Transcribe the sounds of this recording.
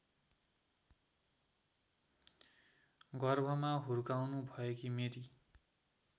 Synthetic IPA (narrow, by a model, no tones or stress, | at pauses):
ɡʌrbʱʌmaɦuɾkawnubʱʌekimeɾi